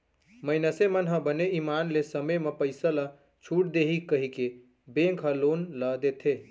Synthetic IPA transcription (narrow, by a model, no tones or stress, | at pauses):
məɪnəsemənɦə̃bəneimanlesəməjmepəɪsəla | t͡ʃʰuʈ̚d̪eɦikəɦike | bẽŋkɦə̃lonləd̪et̪ʰe